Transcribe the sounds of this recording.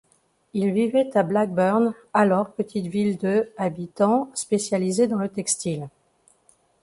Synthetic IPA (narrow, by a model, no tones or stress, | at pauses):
ilvivɛt̪ablak̚bœʁn | alɔʁpət̪ʰit̪vild̪əabit̪ɑ̃spesjalized̪ɑ̃lət̪ɛkst̪il